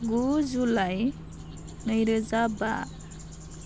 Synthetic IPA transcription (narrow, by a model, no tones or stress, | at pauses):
ɡud͡ʒulaj | nəjɾəzaba̰